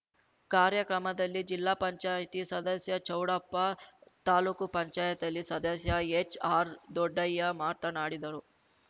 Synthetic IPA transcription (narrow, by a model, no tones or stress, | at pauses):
kaːɾjɐkɾɐmɐd̪ɐlːid͡ʒilːaːpɐɲt͡ʃaːjɐt̪isɐd̪ɐsjɐt͡ʃɐwɽɐpːɐt̪aːluːkupɐɲt͡ʃaːjɐt̪ɐlːisɐd̪ɐsjɐet͡ʃaːɾd̪ɔɖːɐjːɐmaːɾt̪ɐnaːɽid̪ɐɾu